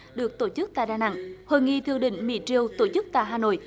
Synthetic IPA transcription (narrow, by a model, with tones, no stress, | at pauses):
ɗɨ˨˩ək̚t̪o˧˩t͡ɕɨ˦˥k̚t̪a̰ː˧˨jɗaː˧˩na̰˧˨ŋhoː˨˩nŋḭ˧˨t̪ʰɨ˧əŋɗḭ̈˧˥ŋ̟mḭ˧˥t͡ɕi˧əwt̪o˧˩t͡ɕɨ˦˥k̚t̪a̰ː˧˨jɦaː˧˩no̰˧˨j